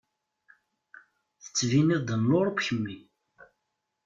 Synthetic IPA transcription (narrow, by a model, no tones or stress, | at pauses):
θə̥t͡sːviniðd̪ənloɾˤbçəmːi